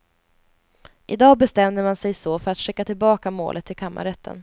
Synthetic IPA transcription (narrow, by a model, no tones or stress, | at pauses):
ʔɪd̪ɑːbɛst̪ɛmd̪əɾmansɛjsoːfœɾat̪ʂɛkːat̪ʰɪlbɑːkamo̰ːlʔət̪ʰːɪlkʰamːa̰ɾɛt̪ʰːə̰n